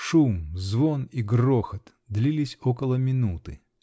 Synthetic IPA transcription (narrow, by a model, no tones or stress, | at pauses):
ʂumzvoniɡroxət̪ | d̪lʲilʲɪsʲokəlˠəmʲɪnut̪ɨ